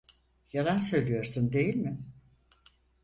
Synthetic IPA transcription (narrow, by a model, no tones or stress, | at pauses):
jalˠansø̞jlʲijo̞ɾsund̪e̞jilʲmɪ